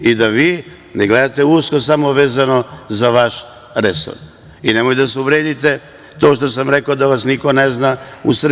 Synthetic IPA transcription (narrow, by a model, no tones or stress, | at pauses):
id̪aʋiː | neɡle̞d̪at̪e̞uskosamo̞ʋe̞ːzano̞zaʋaʃ | ɾeso̰ɾ | inemojd̪as̬euʋɾeːd̪it̪e | t̪o̞ːʃt̪o̞samɾekod̪aʋasniko̞neznaṵsr̩